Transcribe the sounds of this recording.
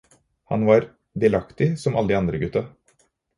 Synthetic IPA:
hɑ̰nʋɑːɾ | d̪ɪlɑkt̪ɪsɔmɑ̰ləd̪ɪːɑnd̪ɾəɡʉt̪ːɑ

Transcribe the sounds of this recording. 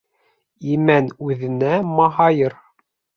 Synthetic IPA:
imænʉðɘ̆næmɑɦɑjɤɾ

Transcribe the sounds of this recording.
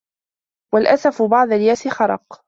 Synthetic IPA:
walʔasafʊbɑʕd̪aljaːsɪxɑɾˤɑq

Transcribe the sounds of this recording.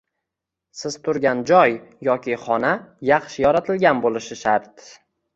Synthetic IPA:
sɪzt̪ʰʊɾɡʲand͡ʒɒjːɒkʲʰɪχɒnajɑχʃɪjɒɾat̪ʰɪlɡʲanbolɪʃɪʃaɾt̪

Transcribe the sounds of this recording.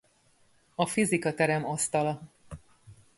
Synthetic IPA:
ɒfizikɒt̪ɛɾɛmɒst̪ɒlɒ

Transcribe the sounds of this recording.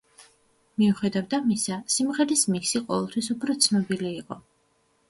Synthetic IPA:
miuχɛd̪avd̪amisasimʁɛɾismiksiqʼɔvɛlˠt̪ʰwisupʰɾɔt̪sʰnɔbiliːqʼɔ

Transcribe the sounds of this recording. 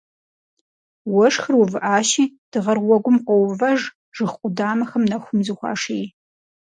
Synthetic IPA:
wɔʂxɨrwuvɨʔaːʃiːd̥ɨʁɐrwɔɡʷʊmqʷɔwvɐʐ | ʐ̥ɨxqʷʼʊdaːmɐxɐmnɐxʷʊmzɨxʷɑ̰ːʂej

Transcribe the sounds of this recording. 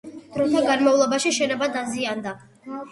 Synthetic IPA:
d̪̥ɾɔt̪ʰaɡanmaulˠɔbaʃiʃɛnɔbad̪aziand̪a

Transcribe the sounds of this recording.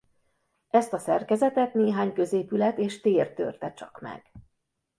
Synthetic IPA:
ɛst̪ɒsɛrkɛzɛt̪ɛt̪neːɦaːɲkøzeːpylɛt̪eːʃt̪eːrt̪ø̰rt̪ɛt͡ʃɒ̰kmɛ̰ɡ̥

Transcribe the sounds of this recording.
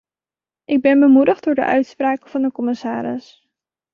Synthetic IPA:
ʔɪɡ̚bɛnbəmudəχd̥̚ʊːɹdə̰ʔœ̰ɥtspraːkəv̥ɑndəkɔmɪsaːɾɪ̰s

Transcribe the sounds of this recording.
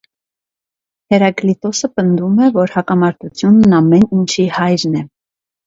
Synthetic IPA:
hɛɾɑɡlit̪ɔsəpənd̪umɛvɔɾhɑkɑmɑɾt̪ut͡sʰjunːɑmɛnint͡ʃʰihɑjɾnɛ

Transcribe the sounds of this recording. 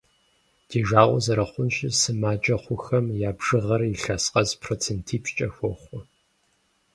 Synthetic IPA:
d̥iːʒaːʔʷʼɔzɐɾɐχʷʊnɕɪsɨmaːt͡ʃʼɐχʷʊxɐmjaːbʒ̥ɨʁɐriɬasqʼɐzpʰroːt͡sʰentʰiːpʃt͡ʃʼɐxʷɔχʷɔ

